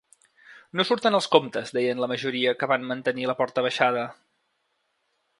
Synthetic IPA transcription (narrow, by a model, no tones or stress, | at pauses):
nosuɾt̪ənəlˠskomt̪əzd̪ɛjənləməʒuɾiəkəβanmənt̪əniləpɔɾt̪əβəʃað̞ə